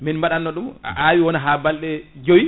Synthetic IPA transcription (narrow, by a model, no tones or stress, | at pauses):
minmbaɗanːɔɗuma̰ʔawiwɔnaɦaːbalɗɛd͡ʒowi